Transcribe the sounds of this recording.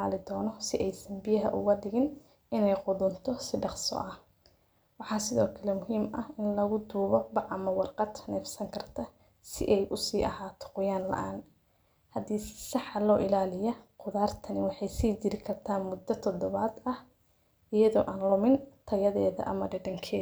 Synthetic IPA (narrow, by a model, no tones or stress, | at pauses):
aːlɪd̪ɔːnɔsɪʔɛjsɐmbɪjɐɦɐ̰ʔʊ̰ɣɐɖɪɣɪn | ɪnɛjqʊðʊnt̪ʰɔsɪɖɑqsɔ̰ʔɐh | wɑħɑːsɪðɔːkʰɐlɛmʊɦiːmɐhɪnlɐɣʊd̪uːβɔbɑʕɐmɐwɑrqɑd̪ʰnɛːfsɐŋkʰɐrt̪ʰɐ | sɪ̰ʔɛjʔʊsiːʔɐɦaːt̪ʰɔ̥qʊjaːnlɐ̰ʔaːn | hɐd̪iːsɑħɑlɔːʔɪlaːlɪjɐqʊðaːrt̪ʰɐnɪwɑħɑjsiːt͡ʃɪɾɪkʰɐrt̪ʰaːnmʊd̪ːɐt̪ʰɔd̪ɔβɐːd̪ɐh | ɪjɐðɔ̰ːʔaːnlʊmɪnt̪ʰɐjɐðɛːðɐ̰ʔɐ̰mɐɖɛɖɐŋkʰɛː